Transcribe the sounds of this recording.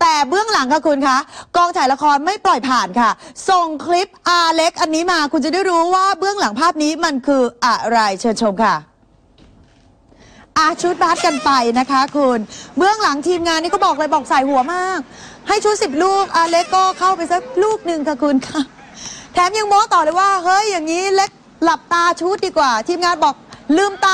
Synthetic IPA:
t̪ɛː˨˩bɯ˥˩əŋla˩˦ŋkʰa˦˥˩kʰu˧nkʰa˦˥kɔː˧ŋt͡ɕ̪ʰaː˩˦jla˧˥kʰɔː˧nma˥˩jplɔ˨˩jpʰaː˨˩nkʰa˥˩so˨˩ŋkʰli˦˥p̚ʔaː˧le˦˥k̚ʔa˧nːiː˦˥maː˧kʰu˧nt͡ɕa˨˩da˥˩jɾuː˦˥waː˥˩bɯ˥˩əŋla˩˦ŋpʰaː˥˩p̚niː˦˥ma˧nkʰɯː˧ʔa˨˩ɾa˧jt͡ɕʰɤː˧nt͡ɕʰo˧mkʰa˥˩ | ʔa˧˩t͡ɕʰu˦˥t̪̚baː˦˥t̪̚ka˧npa˧jna˦˥kʰa˦˥kʰu˧nbɯ˥˩əŋla˨˩˦ŋt̪ʰiː˧mŋaː˧nːiː˥˩kɔː˥˩bɔː˨˩klɤː˧jbɔː˨˩k̚sa˨˩jhu˨˩˦ɐmaː˥˩k̚ha˥˩jt͡ɕʰu˦˥t̪̚si˨˩p̚luː˥˩k̚ʔaː˧le˦˥kːɔː˥˩kʰa˥˩wpa˧jsa˦˥k̚luː˥˩k̚nɯ˨˩ŋkʰa˧˥˩kʰu˧nkʰa˦˥˩ | t̪ʰɛː˨˩˦mja˧ŋmɔː˦˥t̪ɔː˨˩lɤː˧jwaː˥˩hɤ˦˥jːaː˨˩ŋːiː˦˥le˦˥k̚ | la˨˩p̚t̪aː˧t͡ɕʰuː˦˥t̪̚diː˧kwaː˨˩t̪ʰiː˧mŋaː˧nbɔː˨˩k̚lɯː˧˩mt̪aː˧

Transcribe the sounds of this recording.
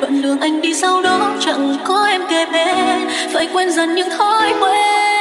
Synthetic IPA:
və̰˧˨nlɨ˨˩əŋʔa˧jŋ̟ɗi˧sa˧wɗɔ˨˦t͡ɕə̰˧˨nkɔ˨˦ʔɛ˧mke˨˩ɓe˨˦ | və̰ː˧˨˩jkwɛ˧nzə˨˩nɲɨ̰˧ŋt̪ʰo˧jkwe˧˦

